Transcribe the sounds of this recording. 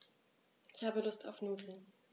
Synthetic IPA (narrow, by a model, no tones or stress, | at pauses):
ʔɪçhaːbəlʊsta̰ʊfnuːdl̩n